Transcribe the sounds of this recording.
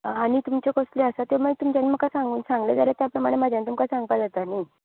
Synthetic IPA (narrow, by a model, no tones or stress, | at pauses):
aɽ̃it̪umt͡ɕekosleəsat̪eməɡt̪umt͡ɕaniməɡkːasãŋɡuːnsãŋɡled͡zaljat̪japɾəmaɽ̃emad͡ʑʱjanĩt̪umkasãŋɡpad͡zat̪ana